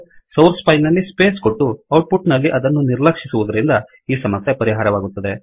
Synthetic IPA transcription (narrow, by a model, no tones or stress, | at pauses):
sɐwɾspɐjlnɐlːispe̞ːsko̞ʈːuɐwʈ̚puʈnɐlːiʔɐd̪ɐnːuniɾlɐkʂisuʋud̪ɐɾind̪ɐ | iːsɐmɐsjepɐɾiɦaːɾɐʋaːɡut̪ːɐd̪e̞